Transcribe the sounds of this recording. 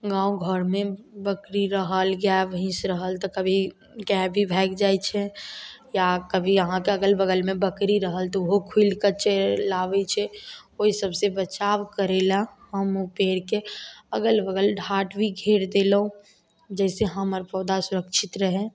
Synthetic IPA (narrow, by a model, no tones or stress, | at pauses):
ɡãːõɡʱəɾmẽbəkɾiɾəɦəlɡjaʋəɦĩsɾəɦəlt̪ɔkəbʱi | kɛbʱibʱɛːkd͡ʒaːjt͡ʃʰɛjakəbʱiəɦãkeəɡəlbəɡəlmẽbəkɾiɾəɦəlt̪ɔʊɦokʰuilkəɾt͡ʃelaʋɛt͡ʃʰɛoisəbsebət͡ʃaːwkəɾelaɦəmopeːɽkeəɡəlbəɡəlɖʱaːʈbʱiɡʱeɾd̪elũ | d͡ʒɛːseɦəməɾpəd̪asʊɾəkʃʰit̪ɾəɦɛ̃